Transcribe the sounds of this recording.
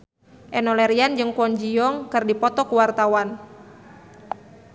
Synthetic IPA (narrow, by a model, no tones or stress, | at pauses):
ʔɛnɔlɛɾiand͡ʒɨŋkɔɲd͡ʒiɔŋkɨrdipɔt̪ɔkuwart̪awan